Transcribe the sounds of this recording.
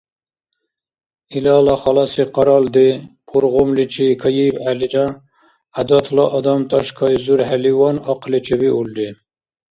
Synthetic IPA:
ilɑlɑχɑlɑsiqʰɑɾɑld̪ipʰuɾʁomlit͡ʃʰikʰɑjibælid͡ʒɑ̃ | æd̪ɑt̪ʰlɑʔɑd̪ɑmt̪ʰɑʃkʰɑjzuɾɦæliwɑnɑqʰlit͡ʃʰebiuld̪i

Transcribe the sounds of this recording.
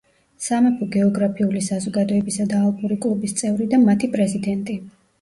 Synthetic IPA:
samɛpʰɔɡɛɔɡɾapʰiulisazɔɡad̪ɔɛbisad̪aːlˠpʼuɾikʼlˠɔbist̪sʼɛvɾid̪amat̪ʰipʼɾɛzid̪ɛnt̪ʼi

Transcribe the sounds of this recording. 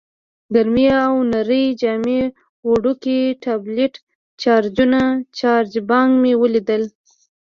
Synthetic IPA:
ɡaɾmiawnaɾəjd͡ʒɑme | woɖukiʈableʈ | t͡ʃɑɾd͡ʒunat͡ʃɑɾd͡ʒbɑŋɡmewəlid̪əl

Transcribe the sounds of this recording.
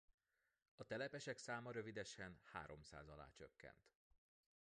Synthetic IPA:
ɒt̪ɛlɛpɛʃɛksaːmɒɾø̞vid̪ɛʃɛnha̰ːɾo̞msa̰ːzɒla̰ːt͡ʃø̰kːɛ̰nt̪

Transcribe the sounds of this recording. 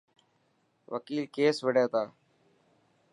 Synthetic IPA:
ʋə̰kiːlkeːsʋəɖaːt̪aː

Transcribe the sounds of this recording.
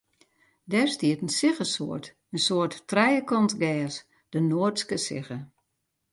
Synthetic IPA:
dɛrstiətən̩sɪɣəso̰ərt | ənsoətːrɛjəkʰɔntɡɛːs | d̥ənoərtskəsɪɣə

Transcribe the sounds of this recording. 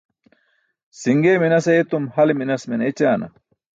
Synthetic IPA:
siŋɡeːminɐsɐet̪umhɐleminɐsminet͡ɕaːnɐ̰

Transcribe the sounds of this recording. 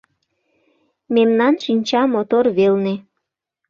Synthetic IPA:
memnɑnʃinʲt͡ɕɑmot̪orβelne

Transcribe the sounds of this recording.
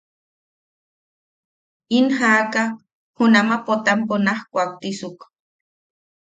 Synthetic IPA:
inhaka | hunamapot̪amponahkʷak̚t̪isuk

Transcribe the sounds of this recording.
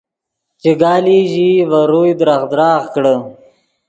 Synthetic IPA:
t͡ʃeɡɑːliʒivaɾujd̪ɾaxd̪ɾɑːɣkɽə

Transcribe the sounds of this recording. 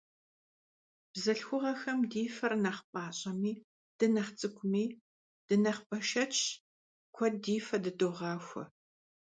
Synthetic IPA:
b̥zɐɬxʷʊʁɐxɐmdiːfɐrnɐχpʼɑːɕʼɐmiː | d̥ɨnɐχt͡sʼɨkʷʰʼʊmiː | d̥ɨnɐχpʼɐʃɐt͡ʃʰʼ | kʷʰɔdiːfɐdɨdoːʁɑːxʷɐ̰

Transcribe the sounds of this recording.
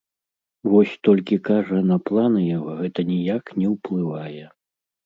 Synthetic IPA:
vɔsʲt̪ɔlʲkʲikaʐɐnɐplˠanɨjaɣɔɣɛt̪ɐnʲijaknʲɛwplˠɨvajɛ

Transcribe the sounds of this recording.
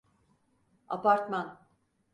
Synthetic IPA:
a̰paɾt̪man

